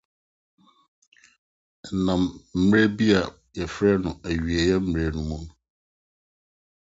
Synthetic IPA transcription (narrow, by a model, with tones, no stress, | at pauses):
nã˨mm̩ː˨ɾɛ˦bi˦a˨ | jɛ˨fɾɛ˦nʊ̃˨æ˨ɥi˨ɛ˨jɛ˦m̩˦m˨e˦nũ˦mã˦